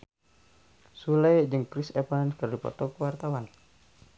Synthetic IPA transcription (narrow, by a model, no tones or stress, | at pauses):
sulɛjd͡ʒɨŋkɾisɛpankɨrdipɔ̰t̪ɔkuwart̪awan